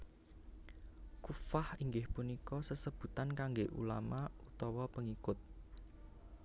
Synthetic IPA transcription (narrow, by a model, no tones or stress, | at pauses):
kufahiŋɡɪhpunikɔsəsəb̥ṳt̪ankaŋɡeʔṵla̰maut̪ɔwɔpəŋikʊt̪̚